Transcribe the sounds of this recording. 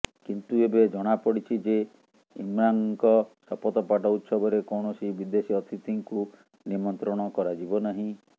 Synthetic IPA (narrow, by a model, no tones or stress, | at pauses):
kint̪uebed͡ʒɔɽ̃apɔɽit͡ʃʰid͡ʒe | imɾaŋkɔsɔpɔt̪ɔpaʈɔut̪sɔbɔɾekɔɳ̃ɔsibid̪esiɔt̪ʰit̪iŋku | nimɔnt̪ɾɔɽ̃ɔkɔɾad͡ʒibɔnaɦĩ